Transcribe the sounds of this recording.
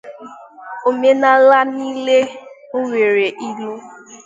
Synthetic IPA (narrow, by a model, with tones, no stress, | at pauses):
o˨me˦na˨la˦ni˦le˦ŋ̩˦ŋʷe˨ɾe˨ʔi˦lu˦